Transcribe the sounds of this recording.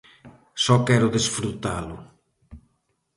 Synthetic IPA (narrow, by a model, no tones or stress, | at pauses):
sɔkɛɾʊðesfɾut̪alʊ̰